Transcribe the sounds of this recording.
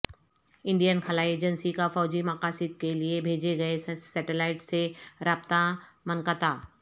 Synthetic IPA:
ɪ̃ɳɖijənkʰəlaːieːd͡ʒənsikafɔːd͡ʒimakaːsɪd̪̚keliebʱeːd͡ʒeɡɐesɛːʈelaːɪʈseɾaːbt̪amənkət̪aː

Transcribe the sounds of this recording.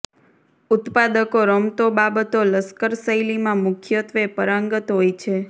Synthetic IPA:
ʊt̪pad̪əkoɾəmt̪obabət̪oləskəɾsəjlimãmʊkʰjət̪ʋepəɾəŋɡət̪ɦojt͡ʃʰe

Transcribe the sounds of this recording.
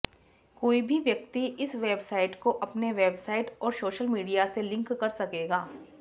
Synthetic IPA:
koːibʱiʋjɐk̚t̪iɪsʋeːbsaːɪʈkoʔɐpneʋeːbsaːɪʈɔːɾsoːʃəlmiːɖijaselɪ̃ŋkːɐɾsɐkeːɡaː

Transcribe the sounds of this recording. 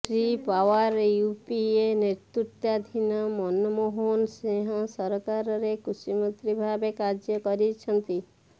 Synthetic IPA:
ʈɾipawaɾjupieneɾt̪ut̪ad̪ʱinɔmɔnɔmoɦonsẽɦãsɔɾkaɾɔɾekusimənt̪ɾibʱabekaɾd͡ʒjɔkɔɾit͡ʃʰɔnt̪i

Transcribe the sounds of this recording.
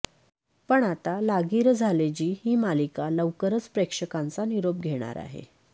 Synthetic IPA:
pəɳat̪alaɡiɾd͡zʱaled͡ʑiːhiːmalikaləʋkəɾət͡spɾekʂəkãnt͡saniɾop̚ɡʱeɽ̃a̰ɾa̰ɦḛ

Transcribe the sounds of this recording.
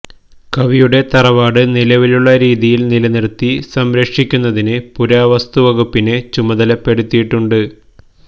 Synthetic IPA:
kɐʋijuɽe̞t̪ɐrɐʋaːɽɨnilɐʋiluɭːɐɾiːðijilnilɐnirt̪ːisɐmɾɐkʂikʲːunːɐðinɨpuɾaːʋɐst̪uʋɐɣupːinɨt͡ɕumɐðɐlɐpːe̞ɽut̪ːijiʈːuɳɖɨ

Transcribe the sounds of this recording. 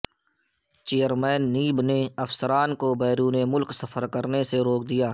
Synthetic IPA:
t͡ʃeːjəɾmɛːnːiːbneɐfsəɾaːnkobɛːɾuːnemʊlksəfʰəɾkəɾneseɾoːk̚d̪ijaː

